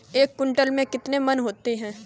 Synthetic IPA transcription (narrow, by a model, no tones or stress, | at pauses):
eːkːʊ̃ɳʈəlmẽkɪt̪nemɐnɦoːt̪eɦɛ̃ː